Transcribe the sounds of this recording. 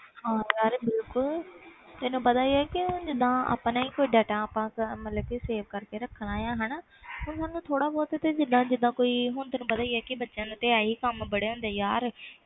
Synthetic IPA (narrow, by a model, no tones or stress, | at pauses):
hãːjaːɾbɪlkʊl | t̪ɐɦnũpɐd̪aːiɛkid͡ʒɪd̪ãa̰panãĩkoːiɖɛːʈãəpãkmɐt̪ləbkiseːʋkɐɾkeɾɐkʰəɽ̃aːjãɦənə | ɦʊnsãːnũt̪ʰoːɽabɔːt̪ɛt̪ɐd͡ʒɪd̪ãd͡ʒɪd̪ãkoːiɦʊnt̪ɐːnũːbɐd̪aːiɛkibɐtːʃə̃nt̪eaːikəmbɐɽeɦõːn̆d̪eːjaːɾ